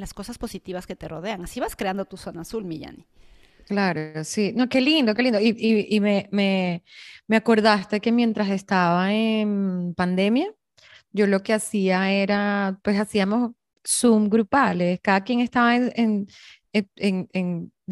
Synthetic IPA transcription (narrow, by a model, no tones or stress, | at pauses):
lasko̞saspo̞sit̪iβaske̞t̪e̞ro̞ð̞e̞aŋasiβaskɾeand̪ot̪uso̞naːsulmiʝa̰ni | klaɾo̞sino̞ke̞lind̪o̞ke̞lind̪oiʔiimeme̞ | me̞ako̞ɾðast̪e̞ke̞mje̞nt̪ɾase̞st̪aβaenpand̪e̞mja | ʝo̞lo̞ke̞asiae̞ɾapwe̞s̬asiamo̞s | sumɡɾupaleskaðakjeŋe̞st̪aβaenen | eeŋeŋ